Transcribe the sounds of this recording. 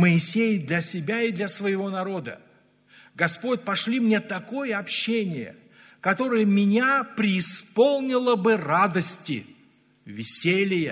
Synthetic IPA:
məɪsʲejɪd̪lʲɐsʲɪbʲaɪd̪lʲɐsvəjɪvo̞nɐɾo̞d̪ə̰ | ɡɐspo̞tʲpɐʂlʲimnʲet̪ɐko̞jəɐpɕːenʲɪjə̰ | kɐt̪o̞ɾɨjəmʲɪnʲapɾʲɪːspo̞lˠnʲɪlˠəbɨrad̪əsʲtʲɪ̰ | vʲɪsʲelʲɪjə

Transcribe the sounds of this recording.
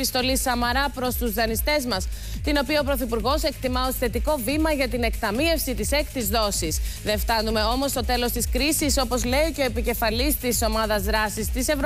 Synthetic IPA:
ist̪o̞lisɐmɐɾɐpɾo̞st̪uzðɐnist̪e̞zmɐst̪ino̞piɐopɾo̞θipuɾɣo̞se̞kt̪imɐo̞si̥θe̞t̪iko̞vimɐʝɐt̪ine̞kt̪ɐmie̞fsit̪ise̞kt̪izðo̞sisðeft̪ɐnume̞o̞mo̞st̪o̞t̪e̞lo̞st̪iskɾisiso̞po̞zle̞iceo̞epice̞fɐlist̪iso̞mɐðɐzðɾɐsist̪ise̞vɾ

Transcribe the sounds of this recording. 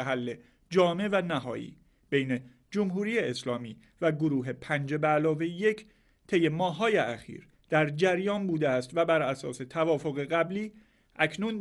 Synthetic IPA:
ɦælːe̞ | d͡ʒɒːme̞vænæɦɒːjḭː | b̥ejne̞ | d͡ʒomɦuːɾiːjeːslɒːmiː | væɡoɾuːɦe̞pʰænd͡ʒe̞bælɒːve̞je̞cʰ | t̪ʰe̞je̞mɒːɦːɒːjeʔæxḭːɾ | d̪̥æɾd͡ʒæɾjɒːnbuːd̪eæst̪væbæɾæsɒːse̞t̪ʰævɒːfo̞ɣe̞ɣæbliː | ʔæcʰnun

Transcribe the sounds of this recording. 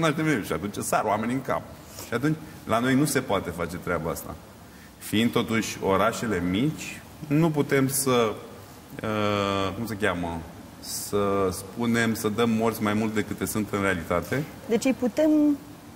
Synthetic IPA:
unaʃd̪emeuʃiat̪unt͡ʃɨsaɾowame̞nʲiɨŋka̰p | ʃiat̪unt͡ʃʲ | lano̞jnuse̞poat̪e̞fat͡ʃe̞t̪ɾeabaa̰st̪a̰ | fiind̪̚t̪o̞t̪uʃʲo̞ɾaʃe̞le̞mit͡ʃʲ | nup̬ut̪e̞msə | əkumsəkʲamə | səspune̞msəd̪əmːo̞rt̪sʲmajmult̪̚d̪e̞kɨt̪lesunt̪ɨnre̞alit̪at̪e̞ | d̪e̞t͡ʃɨjput̪e̞m

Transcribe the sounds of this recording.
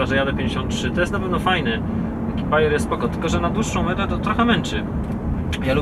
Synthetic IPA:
aʐɛjad̪ɛpʲjẽɲd͡ʑeɕɔnt̪̚ːtʂɘt̪ɔjɛst̪napɛvnɔfajnɛ | kʲibajɛɾjɛst̪spɔkɔt̪ɘ̥lkɔʐɛnad̪wuʂːɔ̃w̃mɛɛt̪ɔt̪ɾɔxɛmɛnt͡ʂɘ | jalu

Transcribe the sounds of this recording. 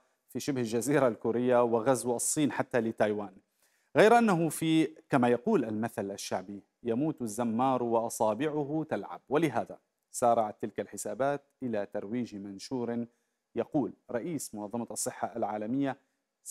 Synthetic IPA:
fiʃɪbhald͡ʒaziːɾalkuːɾɪjːawɪɣazwʔɑsˤːiːnħat̪ːalɪt̪ajwaːn | ɣajɾʔanːaɦʊfikamajaquːlʔalmaθalʔaʃːaʕbi | jamuːt̪azːamːɑːɾˤwɪʔɑsˤɑːbɪʕʊɦʊt̪alʕa̰b̚wɪlɪɦaːða | sɑːɾˤɑʕat̪ːɪlkalħɪsaːbaːt̪̚ʔɪlat̪ɑɾˤwiːʒmanʃuːɾ | jaquːlɾˤɑʔiːsmʊnɑðˤːɑmɑʔɑsˤːɨħːaʔalʕaːlamɪjːa

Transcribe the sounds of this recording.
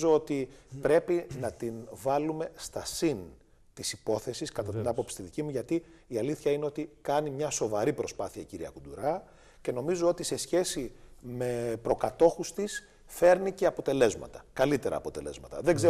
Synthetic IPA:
zo̞o̞t̪ipɾe̞pinɐt̪invɐlume̞st̪ɐsin | t̪isipo̞θe̞siskɐt̪ɐt̪inɐpo̞psi̥t̪iðicimuʝɐt̪iːɐliθçɐine̞o̞t̪ikɐnimɲɐso̞vɐɾipɾo̞spɐθiɐciɾiɐ̰kud̪uɾɐ | ce̞no̞mizo̞o̞t̪ise̞sçe̞sime̞pɾo̞kɐt̪o̞xust̪is | fe̞ɾnice̞ɐpo̞t̪e̞le̞zmɐ̰t̪ɐkɐlit̪e̞ɾɐ̰ːpo̞t̪e̞le̞̰zmɐt̪ɐ̰ðeɡze

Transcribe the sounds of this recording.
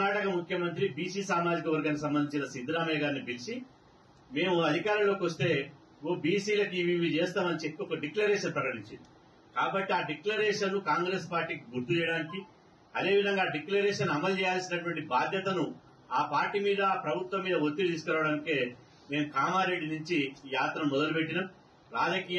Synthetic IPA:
aːʈɐkɐmukʰjɐmɐnt̪̬ɾibiːsiːsaːmaːd͡ʒikɐʋɐɾɡaŋkusɐmbɐnd̪iɲt͡ʃinɐsind̪iɾaːmɐːɡaːɾnibilisi | me̞ːmuɐd̪ʱikaːɾɐmlo̞ːkiʋɐst̪e̞ː | oːbiːsiːlɐkiʋiʋit͡ʃeːst̪aːmɐnit͡ʃekːokːɐɖiklɐɾɛːʂɐnpɾɐkɐʈiɲt͡ʃind̪i | kaːbɐʈːiaːɖiklɐɾɛːʂɐnːukaːŋɡɾeːspaːɾʈːiːkiɡuɾt̪ut͡ʃɛːjɐɽaːniki | ɐd̪e̞ːʋid̪ʱɐŋɡaːɖiklɐɾɛːʂɐnɐmɐlt͡ʃɛːjaːlsinɐʈuʋɐɳʈibaːd̪ʱjɐt̪ɐnu | aːpaːɾʈimiːd̪ɐpɾɐbʱut̪ʋɐmːiːd̪ɐʋot̪ːid̪iːs̬ukɐɾaːʋɐɽɐːnikeː | me̞ːmukaːmaːɾe̞ɖːinuɲt͡ʃijaːt̪ɾɐmːɔd̪ɐlupeʈːinam | ɾaːd͡ʒɐkiːj

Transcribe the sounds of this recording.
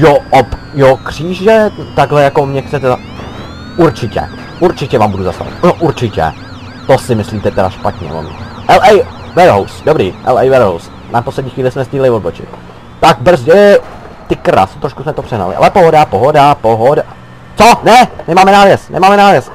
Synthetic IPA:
joʔop | jokr̝̥iːʒɛt̪aɡɦlɛjako̞mɲɛxt͡sɛt̪ɛa | uɾt͡ʃɪcɛ̰ | ʔuɾt͡ʃɪcɛvaːmbuduzast̪a̰vɪ̰t̪noʔuɾt͡ʃɪcɛ̰ | t̪osɪmɪsliːmt̪ɛt̪ɛɾaʃpat̪ɲɛ̰lomɪ̰ʔɛlʔɛj | vɛɾɦowsdobɾiːʔɛ̰lɛjvɛɾɦows | naposlɛdɲiːxvʋiːlɪsmɛst̪ʲiːlɪvod̚bot͡ʃɪ̰t̪ | t̪aɡ̚br̩zɟɛ | t̪ɪkɾa̰st̪ɾoʃkusmɛt̪o̞pr̥ɛɦna̰lɪ̰ʔa̰lɛpoɦodapoɦo̞dapoɦoda | t͡sonɛmɪmaːmɛnaːvjɛst̪nɛ̰maːmɛnaːvjɛst̪

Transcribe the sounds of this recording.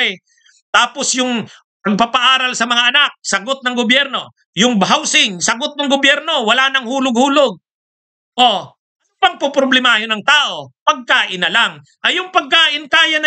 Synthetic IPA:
j | t̪aːpo̞sjʊŋ | pɐɡ̚papɐʔaːɾɐlsɐmɐŋaʔɐnak̚sɐɡot̪̚nɐŋɡobjɛɾno̞ | jʊŋbɦawsɪŋsɐɡot̪̚nɐŋɡʊbjɛɾno̞wɐlaːnɐŋhuːlʊɡ̚huːloɡ̚ | ʔo | pɐŋpopɾoblɛmahɪnɐŋt̪aːʔo̞pɐɡ̚kaːʔɪnɐlaŋ | ʔɐjʊŋpɐɡ̚kaːʔɪnkaːjɐnɐ

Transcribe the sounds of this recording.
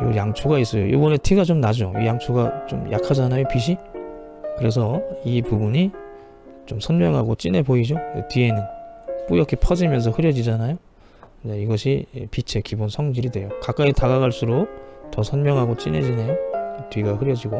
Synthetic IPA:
jojaŋt͡ɕʰuɡais͈ʌjo̰jo̰bʌne̞tʰiɡat͡ɕomnad͡ʑoḭjaŋt͡ɕʰuɡat͡ɕomja̰kʰad͡ʑanajopiɕʰi | kɯɾe̞sʰʌipubuɲi | t͡ɕomsʰʌnmjʌŋɦaɡot͡ɕ͈ine̞boid͡ʑoetɥie̞nɯnp͈ujʌkʰepʰʌd͡ʑimjʌns̬ʰʌhɯɾjʌd͡ʑid͡ʑanajo | d͡ʑaiɡʌɕʰipit͡ɕʰe̞kibonsʰʌŋd͡ʑiɾidwe̞jokak͈aetaɡaɣaɭs͈ʰuɾotʌsʰʌnmjʌŋɦaɡot͡ɕ͈ḭne̞̰d͡ʑine̞otɥiɡahɯɾjʌd͡ʑiɡo

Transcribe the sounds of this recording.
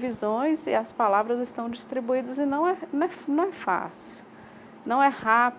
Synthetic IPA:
vizõj̃zḭɐspalavɾɐzɪst̪ɐ̃w̃d͡ʒist̪ɾibuid̪ɐzɪnɐ̃w̃ɛnɐ̃ɛnɐ̃w̃ɛfa̰siu̥ | nɐ̃w̃ɛhap

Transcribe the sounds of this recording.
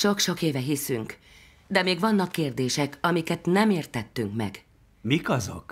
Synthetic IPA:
ʃo̞kʃo̞keːvɛɦisyŋk | d̪ɛmeːɡvɒnːɒkːeːrd̪eːʃɛkɒmikɛt̪nɛmeːrt̪ɛt̪ːyŋkmɛ̰ɡ | mikɒzo̰k

